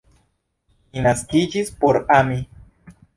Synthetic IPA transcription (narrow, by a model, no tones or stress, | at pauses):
ninaskid͡ʒispoɾami